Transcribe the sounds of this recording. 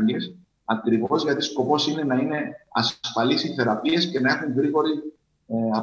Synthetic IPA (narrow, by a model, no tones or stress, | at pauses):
is | ɐkɾivo̞zʝɐt̪isko̞po̞sine̞nɐine̞ɐ̰sfɐlisiθe̞ɾɐpie̞sce̞nɐe̞xuŋɣɾiɣo̞ɾi | ɐ